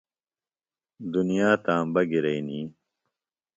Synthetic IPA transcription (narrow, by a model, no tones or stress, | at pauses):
d̪unijaːt̪ãːmbɐɡiɾɐiniː